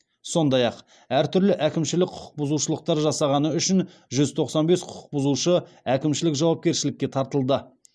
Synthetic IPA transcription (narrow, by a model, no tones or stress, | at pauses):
so̞nd̪ɑjɑq | æɾt̪ʰʏɾlɪʔækʲɪmʃɪlɪkqʰʊ̥qʰə̥q̚bʊzuʃəlˠəq̚t̪ɑɾʒɑsɑʁɑnəʏʃɪn | ʒʏzt̪ʰo̞qsɑnbe̞sqʰʊ̥ʊ̥q̚bʊzuʃəækʲɪmʃɪlɪkʒɑwɑp̚kʲe̞ɾʃɪlɪkʲːe̞t̪ʰɑɾt̪əlˠd̪ə